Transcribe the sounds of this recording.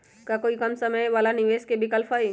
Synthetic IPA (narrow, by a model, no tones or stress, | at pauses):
kakoːikɐmsəməjʋaːlanɪʋeːskebʱikəlfʰai